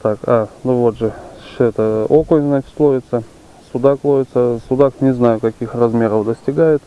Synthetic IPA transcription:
t̪akanʊvo̞t̪ʐɨʂɛt̪əokojznat͡ɕɪ̥t̪lˠovʲɪt̪sə | sʊd̪aklˠovʲɪt̪səsʊd̪aknʲɪznajʊkɐkʲixrɐzmʲe̞ɾəfd̪əsʲtʲɪɡajɪt̪

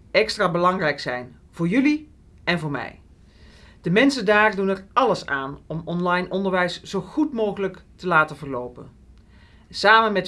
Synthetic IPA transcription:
ɛkstraːbəlɑŋrɛjksɛ̰jn | v̥ʊːɹjɵli | ɛnvʊːɹmɛ̰j | d̥əmɛnsəndaːrdunɛrɑləsa̰ːnɔmɔnlɑjnɔndəɹʋɛjsz̥owχutmowχələktəlaːtəvəɹlowpə̰n | saːmənmɛt

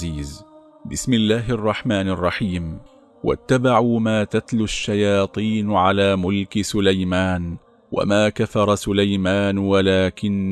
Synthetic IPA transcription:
iːz | bɪsmɪlːaːɦʔɑrˤːɑħmaːnɑrˤːɑħiːm | wa̰t̪ːabaʕuːmaːt̪at̪lʊʃːajɑːt̪ˤiːnʕalaːmʊlkɪsʊlajmaːn | wʔa̰maːkafɑɾˤɑsʊlajmaːnwalaːkɪn

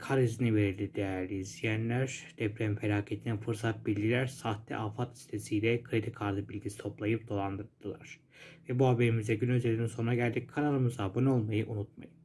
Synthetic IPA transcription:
kʰaɾizinive̞ɾild̪id̪ejæɾlʲizijænlʲæɾd̪̥ɛpɾemfelʲaːcʰe̞t̪ʰininfɯɾsat̪̚biɾʲɟʲilʲæɾsaht̪lʲɛ̰ʔafat̪i̥st̪ʰe̞sijlʲɛkʰɾed̪ikʰaɾd̪ɯbilʲɟisi̥t̪ʰo̞plˠajɯp̚d̪o̞lˠand̪ɯɾd̪̥ɯlˠa̰ɾ̥ | vɛbuɦabe̞ɾimizɛɟynø̞zelʲid̪inso̞nɾaɟælʲd̪ikʰanalˠɯmɯzabano̞lˠmajɯʔunut̪̚ma̰jɯm

